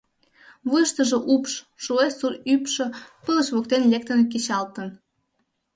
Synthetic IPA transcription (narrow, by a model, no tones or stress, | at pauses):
βujʃt̪əʒĕʔupʃ | ʃuesurypʃɤ̆pələʃβok̚t̪enlʲek̚t̪ənk̬et͡ɕɑlt̪ən